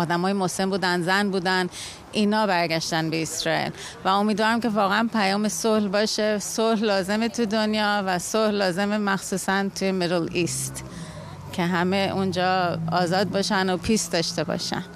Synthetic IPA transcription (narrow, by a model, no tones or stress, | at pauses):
ɒːd̪æmɒːjemosembuːd̪ænzænbuːd̪æn | iːnɒːbæɾɡæʃt̪ænbe̞esɾɒːḭl | væo̞miːd̪vɒːɾæmcʰe̞vɒːɣeænpʰæjɒːmesohlbɒːʃe̞sollɒːze̞met̪ʰud̪onjɒːvæsohlːɒːze̞memæxsuːsænt̪ʰujemeɾelist̪ | cʲʰe̞ɦæme̞und͡ʒɒːɒːzɒːd̪̚bɒːʃænopʰisd̪ɒːʃt̪e̞bɒ̰ʃæ̰n